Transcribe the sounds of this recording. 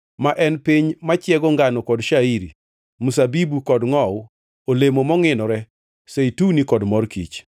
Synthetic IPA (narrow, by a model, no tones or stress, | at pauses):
maʔɛnpiɲmat͡ʃjɛɡɔŋɡanɔkɔdʃaiɾi | musabibukɔdŋɔw | olemomɔŋɪnɔɾɛ | seitunikɔdmɔrkḭt͡ʃ